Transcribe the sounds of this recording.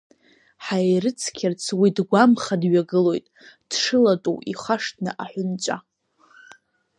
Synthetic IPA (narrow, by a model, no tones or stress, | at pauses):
ħajrɨt͡sʰkʲʰɪrt͡sʰwidɡʷamχadɥaɡɨlo̞jtʼd̥ʂɨlatʼṵwiχʷaʂtʰnɨ̰ʔaħʷᶣʊnt͡ʃʷʼa̰